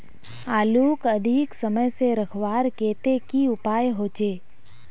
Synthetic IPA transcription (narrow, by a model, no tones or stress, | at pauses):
aːluːkəd̪ʱiksəməjseɾəkʰʋaːɾkeːt̪ekiʊpaːjɦoːt͡ʃeː